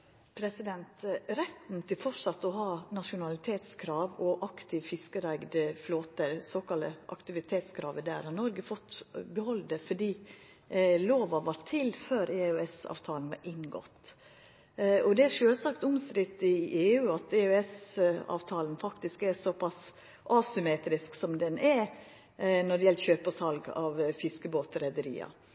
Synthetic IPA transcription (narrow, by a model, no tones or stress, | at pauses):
pʰɾɛsɪd̪ɛnt̪ɾɛt̪n̩t̪ʰɪlfɔʈʂɑt̪ːɔɦɑːnɑʂʊnɑlɪt̪ʰeːt̪skʰɾɑːʋɔʔɑkt̪ʰɪʋfɪskəɾæɪɡd̪əfloːt̪əɾsɔkɑlə̰ʔɑ̰kt̪ɪʋɪt̪ʰeːt̪skʰɾɑ̰ːʋəd̪æ̰ːɾhɑnɔɾɡəfɔt̪ːbɛhɔld̪əfɔɖiː | loːʋɑʋʋɑɾt̪ʰːɪlføːɾeːœɛsɑ̰ːʋt̪ʰɑːln̩ʋɑ̰ɾʔɪŋɡɔ̰t̪ː | ɔd̪ɛæɾʂøːlsɑkt̪ʊmskɾɪt̪ːɪʔeːʉːɑt̪eœɛsɑ̰ːʋt̪ʰɑːlnfɑkt̪ɪskæɾsɔpʰɑs | ʔɑːsʏmeːt̪ɾɪsksɔmd̪ɛnʔɛɾ | nɔɖɛjɛlçøːpəsɑlɡɑ̰ʋfɪskəboːt̪əɾɛd̪əɾḭːɑ̰